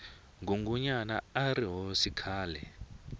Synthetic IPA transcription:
ŋɡʱuŋɡuɲana̰aɾiɦosikʰaːlɛ

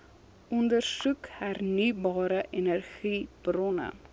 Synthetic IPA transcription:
ʔɔndərsukhærnibɑːɾəʔenərχib̥rɔnə̰

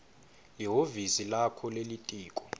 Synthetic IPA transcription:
liɦovisilakʰɔlelitʼiːkʼɔ̥

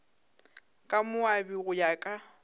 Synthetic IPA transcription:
kʼamʊabiɣʊjakʼa

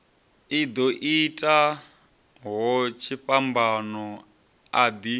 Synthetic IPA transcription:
id̪ɔʔitʼa | ɦɔt͡ʃʰiɸambanɔ | ad̪i

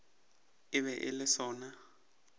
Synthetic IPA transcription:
ɪβɛʔɪlɪsɔːna

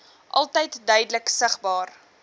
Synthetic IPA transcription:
ʔɐlˠtəjtdœɥdələksəχbɑːr

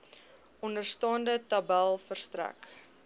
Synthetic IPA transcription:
ʔɔndərstɑːndətɐbælˠfərstræ̰k

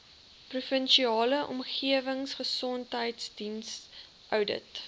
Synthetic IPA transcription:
prufənʃiɑːləʔɔ̰mχiəvəŋsχəsɔntɦəjtsdins | ʔœwdə̰t

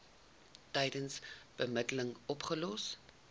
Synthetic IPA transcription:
tɛjdənsb̥əmədələŋɔpχəlɔs

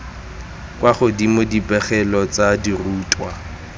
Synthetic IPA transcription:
kʼwaχʊdimʊdipʼɛχɛlɔt͡sadiruːtʼwa

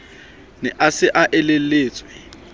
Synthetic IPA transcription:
nɛʔasɪʔaʔɪlɪleːt͡sʼwɪ

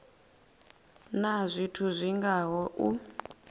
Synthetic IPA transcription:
nazʷitʰuzʷiŋɡaɦɔʔu

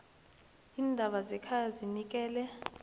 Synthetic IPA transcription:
iːndʱaɓazɛkʰajazinik̬ʼɛːlɛ

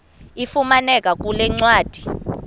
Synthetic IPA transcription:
ifumanɛk̬ʼak̬ʼulɛŋ͡ǀwaːd̥ʱi̥

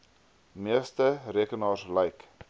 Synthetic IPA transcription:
miəstəriəkənɑːslɛjk

